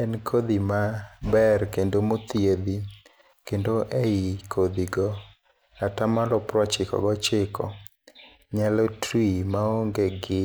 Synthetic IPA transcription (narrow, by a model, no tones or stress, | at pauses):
ɛnkʰod̪imabɛrkendomot̪jed̪i | kendoʔeikʰod̪iɡɔ | atamalɔpɾɔt͡ʃɪkɔ̰ɡɔt͡ʃɪkɔ | ɲalɔtimaoŋɡeɡɪ